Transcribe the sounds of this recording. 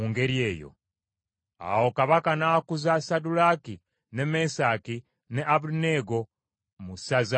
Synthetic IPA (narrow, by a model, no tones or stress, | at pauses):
uŋɡe̞ɾjeːjo̞̰ | a̰wo̞kaβakanakuzasadulaki | ne̞mesaki | ne̞ʔaβuneɡo̞ | musaza